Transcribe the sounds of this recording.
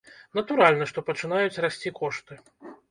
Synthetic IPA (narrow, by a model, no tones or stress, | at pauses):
nɐt̪uɾalʲnɐʂt̪ɔpɐt͡ʂɨnajut͡sʲrasʲt͡sʲikɔʂt̪ɨ